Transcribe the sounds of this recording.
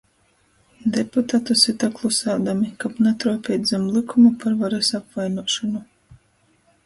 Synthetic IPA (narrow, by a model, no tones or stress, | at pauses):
d̪eput̪at̪usit̪aklˠusaːd̪amikapnat̪ɾɔɔpʲɛd̪zʲɛmlˠikʰumapaɾvaɾasapvajnuɔʃɔnu